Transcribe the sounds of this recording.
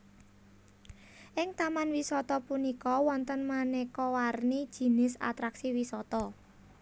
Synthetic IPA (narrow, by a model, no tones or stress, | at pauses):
ʔɪŋt̪amanwisɔt̪ɔpunikɔwɔnt̪ənmanɛkɔwarnid̥ʒ̥i̤nɪsa̰t̪ɾaksiwisɔt̪ɔ